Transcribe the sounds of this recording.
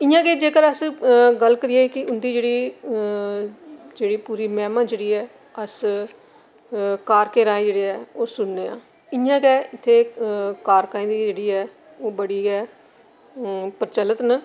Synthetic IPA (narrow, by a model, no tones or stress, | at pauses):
ɪjãːkeːd͡ʒeːkəɾəsɡəlkəɾɪeːkɪʊnd̪iːd͡ʒeːɽiː | d͡ʒeːɽiːpuːɾiːmɛːmãːd͡ʒeːɽiːɛː | əs | kaːɾkeːɾaːẽːd͡ʒeːɽeːɛːoːsʊnːeːã̰ː | ɪjãːkɛːɪt̪ʰːeːkaːɾkãːĩːd̪iːd͡ʒeːɽiːɛː | oːbəɽiːɡɛː | pəɾt͡ʃələt̪nə